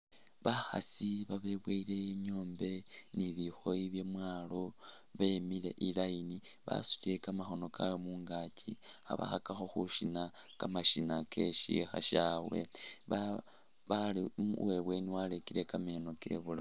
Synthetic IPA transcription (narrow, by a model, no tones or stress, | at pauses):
βaxa̰siβaβe̞βweile̞jeɲoːmbe̞niβixo̞jiβje̞mwaːlo̞ | βemile̞ʔilainiβa̰su̥ciɾe̞kamaxo̞no̞kʰa̰wemuːŋɡacʰḭxa̰βa̰xakaxo̞xuʃinakamaʃinake̞ʃḭxa̰ʃawe̞̰βa | βaliweβwe̞niwalekiɾe̞kame̞no̞ke̞̰βula